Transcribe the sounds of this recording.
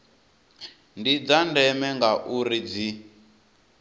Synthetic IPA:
ndid͡zandɛmɛŋɡaʔuɾid͡zi

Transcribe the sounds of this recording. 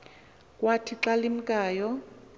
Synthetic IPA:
kʼwatʰiǁalim̩kʼaːjɔ

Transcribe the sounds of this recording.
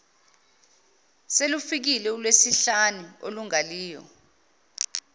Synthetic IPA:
selufik̬ilɛulwesiɬanuoluŋaliːjɔ̰

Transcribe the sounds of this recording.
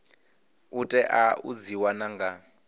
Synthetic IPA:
utʼɛʔaud͡ziwanaŋɡa

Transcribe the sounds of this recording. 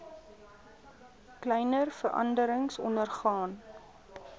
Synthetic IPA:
klɛjnərfəɾʔɐ̰ndəɾəŋsɔ̰ndərχɑːn

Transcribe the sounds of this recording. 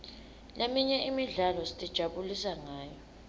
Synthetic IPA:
lʔemiɲɛʔimiɮalɔsi̥tʼid̥ʒ̥ʱaɓulisaŋaːjɔ

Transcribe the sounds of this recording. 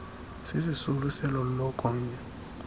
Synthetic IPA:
sisisulusɛlɔlɔkʼɔːɲɛ

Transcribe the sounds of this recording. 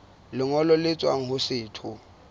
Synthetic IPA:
lɪŋɔlɔlɪt͡sʼwaŋ̩hʊsɪːtʰʊ

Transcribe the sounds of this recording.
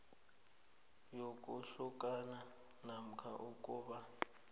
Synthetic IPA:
jok̬ʼuɬukʼana | nam̩kʰaʔukʼuːɓa

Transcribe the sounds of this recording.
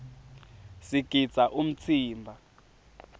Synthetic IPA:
siɡ̥ʱid̥d͡z̥ʱaʔum̩t͡sʰiːmbʱa

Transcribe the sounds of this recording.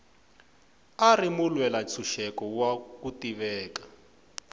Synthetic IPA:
arimulwɛlat͡sʰuʃɛkɔwakutiβɛːkḁ

